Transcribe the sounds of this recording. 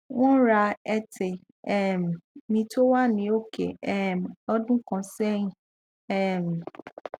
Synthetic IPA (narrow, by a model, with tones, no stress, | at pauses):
w̃ɔ̃˦ɾa˧ɛ˦te˨ | ɛ˦˨m˨mĩ˧to˦wa˦nĩ˨o˦kḛ˨ɛ˦˨m˨ɔ˦dũ˦kɔ̃˧sɛ˦ĩ˨ | ɛ˦˨m̩˨